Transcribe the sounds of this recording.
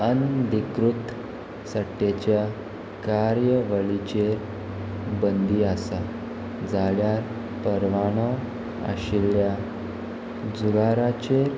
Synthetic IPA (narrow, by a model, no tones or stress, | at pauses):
ənd̪ikɾut̪ | saʈet͡ɕja | kaɾjəʋəɭit͡ɕeɾ | bənd̪iasa | d͡zaɭjaɾ | pəɾʋaɳ̃ɔ | ə̰ɕilja | d͡zuɡaɾat͡ɕeɾ